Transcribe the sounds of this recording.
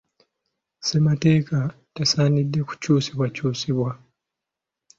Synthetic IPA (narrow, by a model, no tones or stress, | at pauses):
se̞mate̞ːka | tasaːnidːe̞ku̥cuːsiβwacuːsiβwa